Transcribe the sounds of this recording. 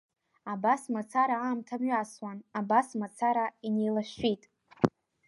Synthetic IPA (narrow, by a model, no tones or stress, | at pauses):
abasmat͡sʰaɾaamtʰamɥaswanabasmat͡sʰaɾaine̞jlaʃitʼ